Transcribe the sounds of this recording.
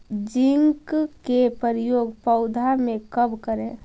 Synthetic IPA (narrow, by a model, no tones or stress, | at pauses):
d͡ʒɪŋkkepəɾɪjoːɡpəʊd̪ʱamẽkəbkəɾẽ